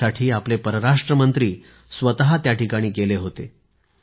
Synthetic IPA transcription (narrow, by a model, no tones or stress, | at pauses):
aʈʰiːaplepəɾəɾaʂʈɾəmənt̪ɾiː | sʋət̪ɦat̪jaʈikaɽ̃iːɡeleɦot̪ḛ